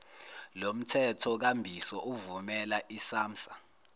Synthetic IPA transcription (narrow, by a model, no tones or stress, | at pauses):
lom̩tʰɛtʰɔk̬ambʱisɔʔuvumɛlaʔisaːm̩sḁ